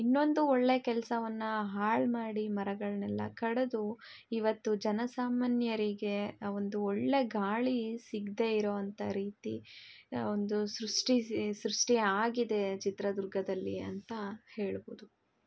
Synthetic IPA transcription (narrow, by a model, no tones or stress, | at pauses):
inːo̞nd̪uoɭːe̞kɛlɐsɐʋɐnːuɦaːɭmaːɽimɐɾɐɡɐɭɐnɛlːɐ̰kɐɽed̪u | iʋɐt̪ːud͡ʒɐnɐsaːmaːnjɐɾiɡe̞o̞nd̪uoɭːe̞ɡaːɭisiɡd̪e̞iɾoːʋɐnt̪ɐɾiːt̪ḭ | ond̪usɾuʂʈisɾuʂʈiaːɡid̪e̞t͡ʃit̪ɾɐd̪uɾɡʱɐd̪ɐlːiɐ̰nt̪ɐhe̞ːɭbo̰ːd̪u